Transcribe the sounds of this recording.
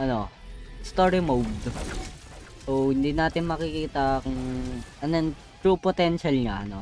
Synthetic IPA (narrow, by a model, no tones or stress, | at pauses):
ʔɐno̞ | st̪oɹɪmowd̪ | sowhɪnd̪iːnaːt̪ɪnmɐkɪkiːt̪ɐkʊŋʔɐnon | t̪ɾupot̪ɛnʃɐlŋaɐno̞